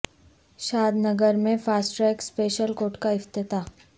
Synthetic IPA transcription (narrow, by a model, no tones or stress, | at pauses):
ʃaːd̪nəɡəɾmẽfaːsʈɾɛːkspeːʃəlkoːʈkaɪft̪ɪt̪aː